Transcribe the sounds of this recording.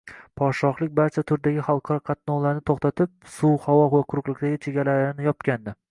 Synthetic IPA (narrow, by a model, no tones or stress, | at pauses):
pʰɒʃɒχlˠɪk̚ʲbaɾt͡ʃʰat̪ʰʊɾd̪aɡʲɪχɑlˠqʰɑɾɒqʰɑt̪̚nɒlaɾnɪt̪ʰoχt̪at̪ʰɪp̚suhawɒvaqʰʊɾʊqlˠɪkʲd̪aɡʲɪt͡ʃʰeɡʲalaɾɪnɪjɒpkʲand̪ɪ